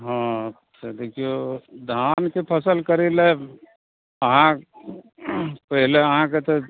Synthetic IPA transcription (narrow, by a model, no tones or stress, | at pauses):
ɦãːətːʃʰad̪eːkʰijod̪ʱaːnkepʰəsəlkəɾele | əɦã | pəɦɪleəɦãket̪o